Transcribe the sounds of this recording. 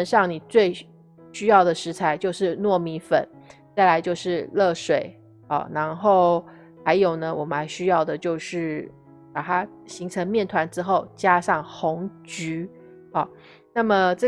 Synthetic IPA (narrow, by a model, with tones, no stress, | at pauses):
ə˧˥nʂɑ˥˩ŋni˨˩t͡swe˥˩ɪ | ɕy˥jɑ˥˩ʊd̪ə˩ʂɻ̩˧˥t͡sʰa˧˥ɪt͡ɕjo˥˧ʊʂɻ̩˥˧nwɔ˥˩mi˧˥fə̰˨˩˦n | t͡sa˥˩ɪla˧˥ɪt͡ɕjo˥˧ʊʂɻ̩˥˧lɤ˥˩ʂwe˨˩ɪ | ɔ̰˨˩na˧˥nxo˥˩ʊ | ha˧˥ɪjo˨˩ʊnə˦wɔ˨˩mə˦nxa˧˥ɪɕy˥jɑ˥˩ʊd̪ə˩t͡ɕjo˥˧ʊʂɻ̩˥˩ | pa˨˩t̪ʰa˥ | ɕi˧˥ŋʈ͡ʂʰə˧˥ŋmjɛ˥˩nt̪ʰwa˧˥nʈ͡ʂɻ̩˥xo˥˩ʊt͡ɕja˥ʂɑ˥˩ŋxʊ˧˥ŋt͡ɕy˧˥ | ɑ˨˩ | na˥˩mə˨ʈ͡ʂɤ˥˩